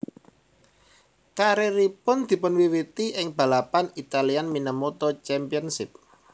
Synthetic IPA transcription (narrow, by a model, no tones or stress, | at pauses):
kaɾeɾipʊnd̪̥i̤pʊnwiwit̪iʔɪŋb̥a̤lapanit̪alianminəmot̪ɔt͡ʃɛmpiənsɪp̚